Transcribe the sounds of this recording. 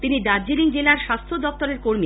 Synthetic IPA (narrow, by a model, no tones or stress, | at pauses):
t̪inid̪aɾd͡ʑiliŋd͡ʑelaɾʃast̪ʰod̪ɔp̚t̪oɾeɾkoɾmi